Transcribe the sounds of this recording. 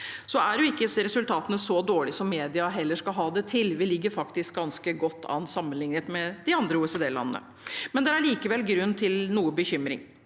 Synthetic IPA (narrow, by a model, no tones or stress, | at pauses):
sɔæɖjʊɪkːəɾɛsʉlt̪ʰɑːt̪ənəsɔd̪oːɭɪsɔmːeːd̪ɪɑɦɛlːəʂkɑlɦɑːd̪ɛt̪ʰɪlʋɪlɪɡːəɾfɑkt̪ɪsk̚ɡɑnskəɡɔt̪ːɑ̰nsɑmːənlɪŋnət̪mɛd̪ɪɑnd̪ɾəuːɛseːd̪eːlɑ̰nənə̰ | mɛnd̪ɛæɭiːkəʋɛlɡɾʉnːt̪ʰɪlnuːəbəçʏmɾɪ̰ŋ